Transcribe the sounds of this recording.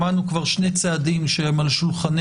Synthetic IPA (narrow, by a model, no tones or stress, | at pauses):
anukvaʁʃne̞jt͡saːd̪imʃehemalʃulχan